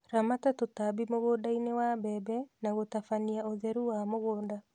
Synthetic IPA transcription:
ɾamatatotabimoɣoːndainewabɛbɛnaɣotafaniaoðɛɾuwamoɣoːnda

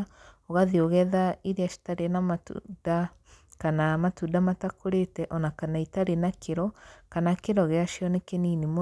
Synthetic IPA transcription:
ɔɣaðioɣɛðaiɾeaʃi̥taɾenamatṵda | kanamatudamatakoɾetɛʔɔnakanaitaɾenakʰeɾɔkanakeɾɔɣeaʃjɔnekeniːnemo

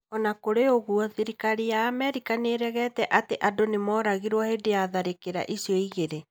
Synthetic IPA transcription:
ɔnakoɾeoɣuɔðiɾikaɾijaːmɛɾikaneɾɛɣɛtɛʔateʔadonemɔːɾaɣiɾwɔhedejaðaɾekeɾa̰ʔisiɔiɣeɾe

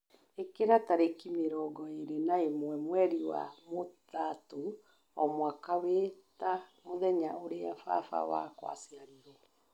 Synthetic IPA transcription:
ekeɾataɾekimeɾɔɡɔeɾenaemwɛmwɛɾiwa̰motato | ɔmwakawetamoðɛɲaoɾeafa̰fa̰wa̰kwa̰seaɾiɾɛ

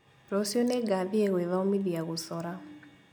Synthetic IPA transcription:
ɾɔsjonɛɡaðieɣweðaomiðiaɣusɔɾa

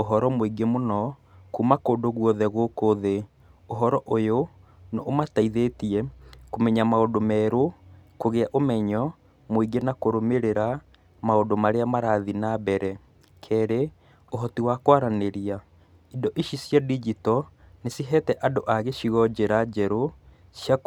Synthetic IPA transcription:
oɦɔɾɔmoiɡemonɔ | kuːmakoːdoɣwɔðɛɣokoðe | oɦɔɾɔʔojo | noʔomataiðetiɛkomɛɲamaodomɛːɾokoɣeaʔomɛɲɔ | moiɡenakoɾomeɾeɾa | maodomaɾeamaɾaðinabɛɾɛ | kʰɛːɾe | oɦɔtiwakwaɾaneɾia | idɔʔiʃisjadid͡ʒitɔnesiɦɛtɛʔadoʔaɣeʃiɣɔd͡ʑeɾad͡ʑɛɾo | sja

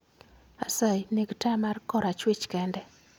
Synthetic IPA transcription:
asajneɡtamarkɔɾat͡ʃwɪt͡ʃkɛndɛ

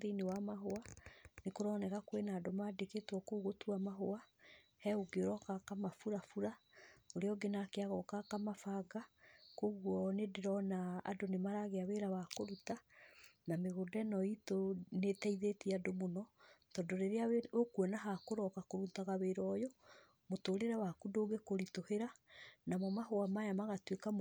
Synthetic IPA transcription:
ðeinewamaɦoanekoɾɔnɛkakowenaːdomadeketwɔkoɣotuamaɦoa | hɛoɡeoɾɔkakamafuɾafuɾaoɾeɔɡenakeaɣɔkakamafaɡakoɣwɔnedeɾɔna̰ːdonemaɾaɣeaweɾawakoɾutanameɣodɛnɔitonetɛiðetiadomonɔtɔndoɾeɾeaokuɔnaɦakoɾɔkakoɾutaɣaweɾɔjɔ | motoɾeɾawakudoːɡekoɾitoheɾanamɔmaɦoamajamaɣatwekam

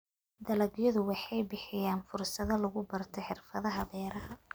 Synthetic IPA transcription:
d̪ɐlɐɡjɔðʊwɑħɑjbɪħɪjaːnfʊrsɐðɐlʊɣʊbɐrt̪ʰɔħɪrfɐðɐɦɐbɛːɾɐhɐ

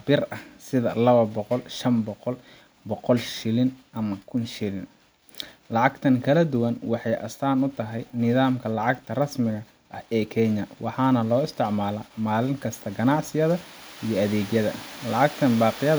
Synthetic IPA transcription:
bɪrɐhsɪðɐlɐβɐbɔqɔlʃɐmbɔqɔl | bɔqɔlʃɪlɪnʔɐmɐkʰʊnʃɪlɪn | lɑʕɑɡt̪ʰɐŋkʰɐlɐd̪ʊwɐnwɑħɑjʔɐ̰st̪ʰaːnʊt̪ʰɐɦɛjnɪðaːmkʰɐlɑʕɑɡt̪ʰɐrɐsmɪɣɐ | ʔɐhɛːkʰɛɲɐwʔɑħɑːnɐlɔːɪst̪ʰɪʕmaːlɐːmaːlɪŋkʰɐst̪ʰɐɡɐnɑʕsɪjɐðɐijɞɐðɛːɡjɐðɐ̰lɑʕɑɡt̪ʰɐnbɑːqɪjɐ

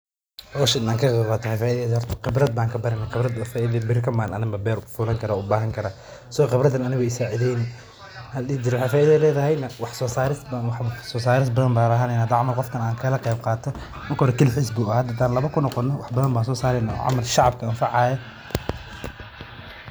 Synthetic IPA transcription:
ɔʃɐɪnaːŋkʰɐqɛbaːt̪ʰɐhɛjfaːʔɪðɛðhɔrt̪ʰɐ̥qɪbɾɐd̪̚baːŋkʰɐbɐɾɛnːɐqɪbɾɐd̪faːʔɪðɐbɪɾkʰɐmaːnʔɐnɪmbɐbɛːɾfuːlɐŋkʰɐɾaːʔʊbaːɦɐŋkʰɐɾaː | sɔɔqɪbɾɐd̪ɐnɐnɪɣɔɛɪsaːʕɪðɛjn | hɐlid͡ʒɪɾɛwħaːjfaːʔɪðɐðlɛːðɐɦɛjnɐwɑħsɔːsaːɾɪsbwħsɔːs̬aːɾɪs̬bɐðɐmbaːɾɐɦɐnɛnaːd̪ɑʕmɐlqɔfkʰɐnaːŋkʰɐlɐqɛjb̚qɑːt̪ʰɔmɐrkɐhɔɾɛkʰɪlħɪsbuːɐaːd̪at̪ʰaːnlɐβɐkʰʊnɔqɔnːɔwɑħbɐðɐnbaːnsɔːsaːɾɛjna̰ʕɑ̰mɐlʃɑʕɑb̚kʰɐːnfɑʕɑːjɐ

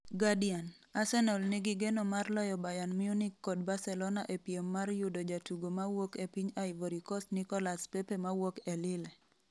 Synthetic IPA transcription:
ɡadian | asɛnɔlnɪɡɪɡenomarlɔjɔbajanmiunikːod̚basɛlɔnaʔepjemːarjudod͡ʒatuɡomawokepiɲaɪvoɾikɔsnikɔlaspepemawokelɪle

